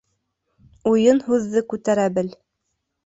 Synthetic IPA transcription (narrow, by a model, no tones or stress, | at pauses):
ujɤnhʉðːɘkʉt̪æɾæbɘl